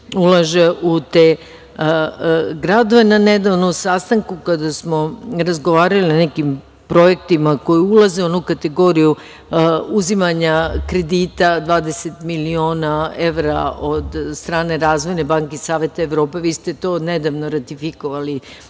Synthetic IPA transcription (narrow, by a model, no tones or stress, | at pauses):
ulˠaʒeʔut̪e | ɡɾad̪o̞ʋe̞naned̪aʋnomsast̪aŋkukad̪asmo̞ɾazɡoʋaːɾalinanekim | pɾo̞jekt̪imako̞juulazeonukat̪e̞ɡo̞ɾiju | uzimaɲakɾe̞d̪it̪ad̪ʋaːd̪e̞set̪milio̞ːnae̞ʋɾaod̪st̪ɾaːne̞ɾaːzʋo̞jne̞baŋkesaːʋe̞t̪aeʋɾo̞ːpe̞ʋiːst̪et̪o̞ned̪aʋnoɾat̪ifikoʋali